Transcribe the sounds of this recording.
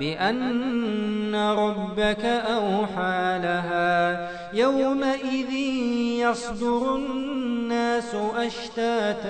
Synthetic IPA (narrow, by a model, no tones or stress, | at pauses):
bɪʔanː | aɾˤɑbːakaʔawħaːlaɦaː | jawmaʔɪðɪnjɑsˤd̪ʊɾʊnnːaːsʊʔaʃt̪aːt̪